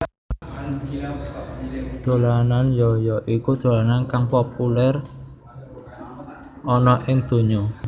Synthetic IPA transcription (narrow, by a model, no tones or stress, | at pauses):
d̪̥o̤lananjɔjɔʔikud̪̥o̤lanankaŋpopulɛr | ʔɔnɔʔɪŋd̪̥o̤ɲo